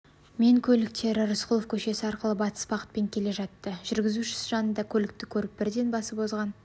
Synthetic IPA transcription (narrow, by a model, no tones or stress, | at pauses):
me̞ŋkʲʰɵlɪk̚t̪e̞ɾɪɾʊsqʰʊlˠofkʲʰɵʃe̞sɪɑɾqəlˠəbɑt̪ə̥sbɑqət̪pe̞ŋkʲʰe̞le̞ʒɑt̪ːəʒʏɾɡʲɪzuʃɪ̥sʒɑnənd̪ɑkʲʰɵlɪk̚t̪ɪkʲʰɵɾɪp̚bɪɾd̪e̞nbɑsəpo̞zʁɑn